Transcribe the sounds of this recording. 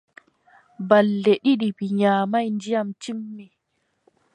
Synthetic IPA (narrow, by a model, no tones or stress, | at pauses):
balːɛɗiɗibiɲaːmajnd͡ʒijamt͡ʃimːɛ